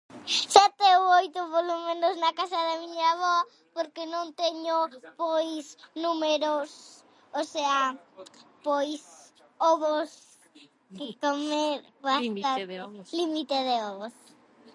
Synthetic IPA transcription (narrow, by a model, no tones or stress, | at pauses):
sɛt̪eowojt̪ʊpolomẽnoznɐkasaðamiɲaβɔ | poɾkenõnt̪eɲopojsnumeɾos | osea | pojs | ɔβos | kekomeɾpaalimit̪eðeɔβos